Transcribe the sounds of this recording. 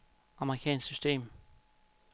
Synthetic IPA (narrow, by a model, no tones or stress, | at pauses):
ɑ̈məʁikʰɛ̰ːnssysd̥e̝̰ːm